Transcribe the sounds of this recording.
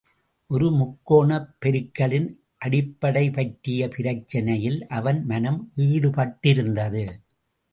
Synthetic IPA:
ʔɔɾɯmʊkːoːɳɐpːɛɾɯkːɐɭɪn | ʔɐɽɪpːɐɽɐɪpɐʈɾɪjɐpɪɾɐt͡ʃːɐnɐjɪlʔɐʋɐnmɐnɐmʋiːɽɯpɐʈːɪɾɯnd̪ɐðɯ

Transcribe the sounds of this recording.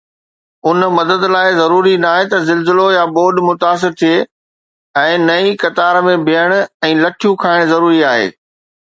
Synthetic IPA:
ʊnmɐd̪əd̪laːɪzɐɾuːɾinaːɦet̪ɐzɪlzɪlojaboːɗmʊt̪aːs̬ɪɾt̪ʰie | ɛ̃ːnɐikɐt̪aːɾmẽbʱiəɽ̃ɛ̃ːlɐʈʰijũkʰaːɪɽ̃zɐɾuːɾiaːɦḛː

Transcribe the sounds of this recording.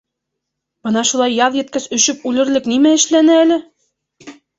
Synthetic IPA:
b̥ɤnɑʃulˠɑjːɑðˠjɘ̆t̪̚kæsɵ̆ʃɵp̚ʉlɘ̆ɾlɘknimæɘ̆ʃlænɘælɘ

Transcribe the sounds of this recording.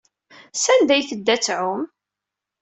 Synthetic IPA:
sænd̪æjθəd̪ːæt͡sːʕʊm

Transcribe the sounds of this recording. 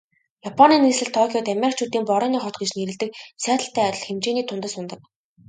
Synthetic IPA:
japʰɔniːniːsɮɘ̆ɮt̪ʰɔkʰʲiɔt̪amʲeɾʲik̚t͡ɕʰuːt̪iːmpɔɾɔːniːχɔt̪̚ɡet͡ɕneɾɘ̆ɮt̪ɘ̆k̚sæːt̪ə̆ɬt̪æːœt̪ʲɞ̆ɮxemt͡ɕeːniːt̪ʰʊnt̪ə̆sʊnt̪ə̆k̚

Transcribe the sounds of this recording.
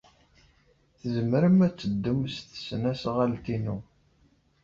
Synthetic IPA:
θəzəməɾəmæt͡sːəd̪ːumst̪ə̥snæsʁalt̪inu

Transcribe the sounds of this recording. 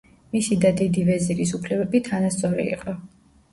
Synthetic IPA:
misid̪ad̪id̪ivɛziɾisupʰlɛbɛbit̪ʰanast̪sʼɔɾḭḭqʼɔ

